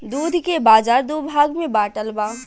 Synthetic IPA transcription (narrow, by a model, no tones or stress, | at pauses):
d̪uːd̪ʱkebaːzaːɾd̪ubʱaːɡmẽbaːʈəlbãː